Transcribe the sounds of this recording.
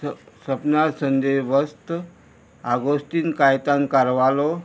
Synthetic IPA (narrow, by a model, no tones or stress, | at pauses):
səpnasənd̪eʋəst̪ | aɡost̪iːnkajt̪ãnkaɾʋalo